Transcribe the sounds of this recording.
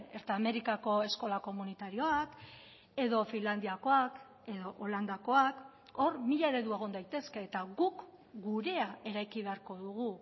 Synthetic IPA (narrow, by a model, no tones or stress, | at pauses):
e̞ɾt̪eame̞ɾikako̞e̞sko̞lako̞munit̪aɾio̞ak | e̞ðo̞finland̪iako̞ak | e̞ðo̞ʔoland̪ako̞ak | o̞ɾmiʎaeɾe̞ðue̞ɣ̞o̞nd̪ajt̪e̞ske̞ːt̪aɣuk | ɡuɾe̞ae̞ɾajkiβ̞e̞aɾko̞ðuɣ̞u